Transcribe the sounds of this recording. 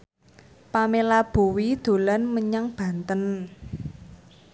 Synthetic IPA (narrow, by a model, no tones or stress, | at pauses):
pamelab̥o̤wid̪̥o̤lanməɲaŋb̥a̤nt̪ən